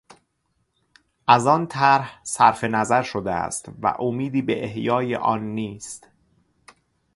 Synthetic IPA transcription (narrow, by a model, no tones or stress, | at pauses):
ʔæzɒːnt̪ʰæɾhsæɾfe̞næzæɾʃod̪eæ̰st̪væ̰ʔomiːd̪iːbeʔehjɒːjḛʔɒːnːiːst̪